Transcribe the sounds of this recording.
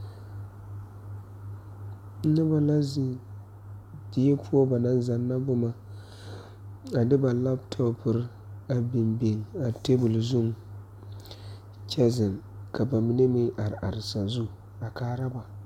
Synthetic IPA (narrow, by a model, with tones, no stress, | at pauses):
nɨ˦ba˨la˦zi˨ | di˦jɛ˦pʰu˦ɔ˦ba˨na˦n˦za˨nːa˦bʊ˦ma˦ | a˨dɨ˦ba˨la˦btʰɔ˦pɨ˦ɾ | a˨bi˨mbe˨ŋa˨te˦bʊ˨lzʊ˦ŋ | t͡ʃɛ˦zɪ˨nka˨ba˨mi˦ne˦mɪ˦ʔa˨ɾɪ˨ʔa˨ɾɪ˨sa˨zu˦˨ | a˨kaː˨˦ɾa˦ba˨